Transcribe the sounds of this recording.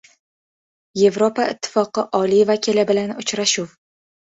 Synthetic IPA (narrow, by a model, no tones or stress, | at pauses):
je̞vɾopaɪt̪ʰːɪ̥fɒqɨʔɒlijvakʲʰilɪbɪlanʊt͡ʃɾaʃʊw